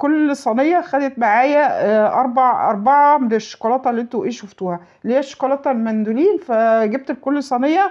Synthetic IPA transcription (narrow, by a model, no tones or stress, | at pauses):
kolːsˤɑnejːɑxæd̪et̪̚maʕaːjæʔɑɾˤbɑʕʔɑ̰ɾˤbɑʕɑmd̪eʃːo̥kɑlɑt̪ˤɑlːiʔent̪oʔeːʃoft̪uːhæ | lːiːæʃːo̥kɑlɑt̪ˤlmænd̪uliːnfæɡeb̚t̪elkolːsˤɑnejːɑ